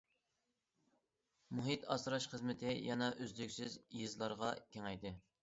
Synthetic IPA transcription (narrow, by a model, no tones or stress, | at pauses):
muɦit̪ɑ̰sɾɑʃχəzmɪt̪ʰɪjɑnɑʔøzlykʲsyzjizlˠɑɾʁɑkʲeŋɛjd̪ɨ